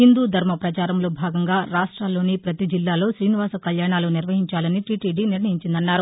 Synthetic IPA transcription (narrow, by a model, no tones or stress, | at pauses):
hind̪uːd̪ʱɐɾmɐpɾɐt͡ʃaːɾɐmlo̞ːbʱaːɡɐŋɡaːɾaːʂʈɾaːlːo̞ːnipɾɐt̪id͡ʒilːaːlo̞ːʃɾiːniʋaːsɐkɐljaːɳaːloːniɾʋɐɦiɲt͡ʃaːlɐniʈiːʈiːɖiːniɾnɐɦiɲt͡ʃind̪ɐnːaːɾu